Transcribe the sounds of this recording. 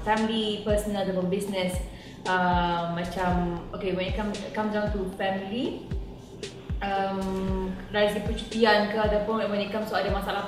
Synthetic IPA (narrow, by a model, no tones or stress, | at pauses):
fɛmilipəsənadəbəbisnɛs | əmːãt͡ʃamokewɛnikamkamd͡ʒaŋt̪ufɛmili | əmɹaisdipət͡ʃu̥t̪iankəadawpʊnwɛnikamsuadəmasaala